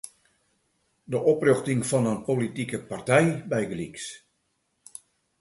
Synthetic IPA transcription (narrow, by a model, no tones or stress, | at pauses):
dəʔoprøxtɪŋfɔnənpolitikəpartɛjbɛjɡəliks